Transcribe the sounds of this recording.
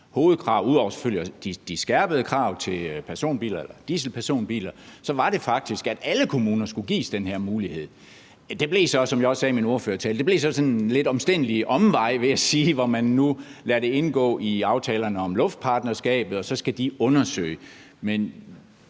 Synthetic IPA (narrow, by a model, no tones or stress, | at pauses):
ho̝ːð̩ˠkʰʁɑ̈ʊuðˠɒʊɐse̥føl̰jd̥id̥isɡ̥æɐ̰b̥əð̞̩ˠəkʰʁɑ̈ʊ̰t͡sʰe̝lpʰæɐso̝̰ːnb̥ḭːlɐelɐd̥isl̩pʰæɐso̝̰ːnb̥ḭːlɐsɒ̽ʋɑ̈ɾ̥e̝fɑ̈ɡ̥̚d̥isɡ̥æd̥æləkʰo̝muːnɐsɡ̥uɡ̥ḭːsd̥enheɐ̰muːlihe̝ð̰ˠ | d̥e̝b̥le̝sɒ̽sɒ̽mjɑ̈ɪɒ̽ssɛːminoɐføːɐt͡sʰɛ̰ːlə̥d̥e̝ble̝sɒ̽sɒ̽nle̝d̥ɒ̽msd̥en̰liʔɒ̽mʋɑ̈ɪ̰ʋe̝jæsiːʋɒmænːulæɐɾ̥e̝e̝nɡ̥ɔ̰̽ːʔiɑ̈ʊt͡sʰɛːlɐnəɒ̽mlɔ̽fd̥̚pʰɑ̈ːd̥nɐsɡ̥ɛ̰ːb̥ð̞̩ˠɒ̽sɒ̽sɡ̥æd̥iɔ̽nɐsø̰ɪ | men